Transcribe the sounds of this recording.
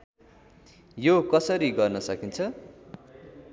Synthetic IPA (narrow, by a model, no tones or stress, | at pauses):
jokʌsʌɾiɡʌrnʌsʌkint͡sʰʌ